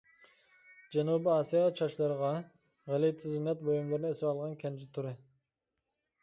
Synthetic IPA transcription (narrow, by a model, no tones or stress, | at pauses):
d͡ʒɛnubɪɑːsijɑt͡ʃʰɑʃlˠɑɾʁɑ | ʁælit̪ʰɪzɪnɛt̪̚bojumlˠɨɾnɪesɪvɑlˠʁɑnkʲʰɛnd͡ʒɪt̪ʰuɾɪ